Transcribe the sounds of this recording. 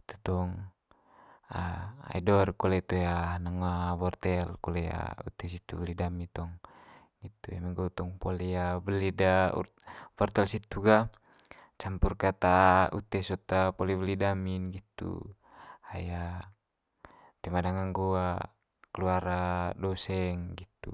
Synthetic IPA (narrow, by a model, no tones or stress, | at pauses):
it̪ut̪ɔŋ | aa̰idɔrkɔlɛt̪uanaŋabɔrt̪ɛlkɔlɛa̰ṵt̪ɛs̬it̪ṵblidamit̪ɔŋ | ɡit̪uɛmɛɡɔt̪ɔŋpɔlɛabəlidaṵ | bɔrt̪ɛlsit̪uɡa | t͡ʃampurkat̪aṵt̪ɛsɔt̪apɔlɛβlidaminɡit̪ṵ | aja | t̪ɛmadaŋaŋɡua | kɛluaɾadɔsɛŋɡit̪ṵ